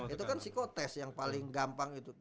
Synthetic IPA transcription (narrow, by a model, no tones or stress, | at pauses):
it̪ukansikot̪ɛsjaŋpalɪŋɡampaŋit̪u